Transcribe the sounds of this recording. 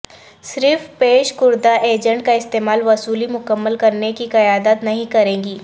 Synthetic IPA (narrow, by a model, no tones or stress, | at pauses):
sɾɪfpeːʃkʊɾd̪aʔeːd͡ʒə̃ɳʈ̚kaɪst̪eːmaːlʋɐsuːlimʊkəmːəlkɐɾnekikɐjaːd̪ət̪nɐɦĩkɐɾẽːŋɡiː